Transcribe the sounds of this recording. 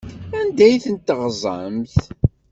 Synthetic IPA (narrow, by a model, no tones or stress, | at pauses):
ænd̪æjθənt̪ːəʁzˤə̰mθ